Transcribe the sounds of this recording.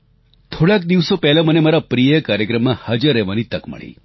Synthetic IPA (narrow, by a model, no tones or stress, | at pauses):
t̪ʰoɽak̚d̪iʋsopɛɦlamənemaɾapɾijəəkaɾjəkɾəmːãhad͡ʒəɾːɛʋanit̪əkmə̰ɭḭ